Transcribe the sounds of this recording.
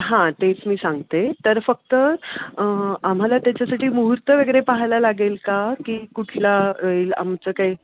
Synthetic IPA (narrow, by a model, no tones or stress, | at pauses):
ɦãt̪et͡smiːsãŋɡt̪et̪əɾfək̚t̪ə | am̤alat̪jat͡ɕasaʈiːmuɦuɾt̪əʋeɡɾepaɦajlalaɡelkakiːkuʈʰlaəiːla̰mt͡səkai